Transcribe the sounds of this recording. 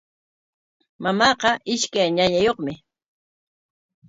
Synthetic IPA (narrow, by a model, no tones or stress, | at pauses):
mamɑːqɑʔɪʃkajɲaɲajoχmɪ